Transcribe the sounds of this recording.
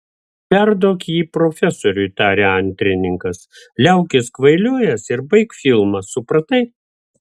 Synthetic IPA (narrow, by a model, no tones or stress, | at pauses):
pʲɛɾd̪oːkʲjiːpɾoːfʲɛsoːɾʲʊjt̪ɑːɾʲeɐnʲt̪ʲɾʲɪnʲɪŋkɐslʲɛʊkʲɪskʋɐɪlʲuɔjɛsɪɾbɐɪkfʲɪlˠmɐsʊpɾɐt̪ɐɪ